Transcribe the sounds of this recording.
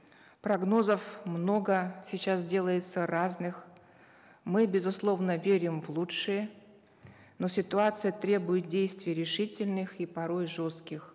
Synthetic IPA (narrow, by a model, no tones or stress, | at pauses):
pɾɐɡno̞zəfmno̞ɡəsʲɪt͡ɕas̬dʲe̞lˠəjɪt̪səɾaznɨx | mɨbʲɪzʊslˠo̞vnəvʲeɾʲɪmvlˠutʂɨjə | no̞sʲɪt̪ʊat̪sɨjət̪ɾʲe̞bʊjɪt̪̚dʲejst̪vʲɪjɾʲɪʂɨtʲɪlʲnɨxipɐɾo̞jʐo̞st̪̚kʲɪx